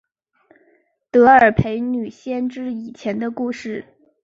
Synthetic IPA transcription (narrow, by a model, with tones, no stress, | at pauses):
t̪ɤ˧˥ə˞˨˩pʰe˧˥ɪny˨˩ɕjɛ˥nʈ͡ʂɻ̩˥i˨˩t͡ɕʰjɛ˧˥nd̪ə˧ku˥˧ʂɻ̩˥˩